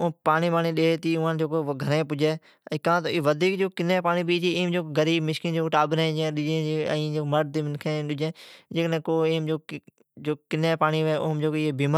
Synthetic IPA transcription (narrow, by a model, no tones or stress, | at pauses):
ʊpaːniːpaːnĩːɗeːt̪iːʊãːd͡ʒoːkoːɡʱəɾẽːpʊd͡ʒeː | ɛ̃ːkãːt̪oːʋəd̪ʱiːkd͡ʒoːkɪnẽːpaːniːpiːt͡ʃiɪːmd͡ʒoːkɡəɾiːbmɪʃkĩːd͡ʒoːkʈaːbɾẽːd͡ʒẽːɗɪd͡ʒẽːd͡ʒeːə̰̃d͡ʒoːməʈ̚t̪iːmɪnkʰẽːɗʊd͡ʒẽːd͡ʒeːknẽːkoːeːmd͡ʒoː | d͡ʒoːkɪnẽːpaːniːʋʔʊːɦmd͡ʒoːkːeːbiːm